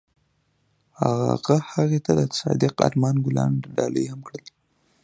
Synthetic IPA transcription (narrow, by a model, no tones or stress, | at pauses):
haɣaɣahaɣet̪ad̪ət̪sɑd̪ɪqɑ̰ɾmɑnɡʊlɑnɖɑləjhamkɽəl